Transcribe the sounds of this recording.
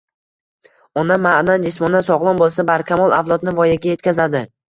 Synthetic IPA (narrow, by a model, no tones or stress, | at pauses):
ɒnamːaʔnand͡ʒɪsmɒnasɒʁlˠɒnbolˠsabaɾkʲʰamɒlˠavlˠɒt̪nɪvɒjaɡʲaje̞t̪kʲʰazad̪ɪ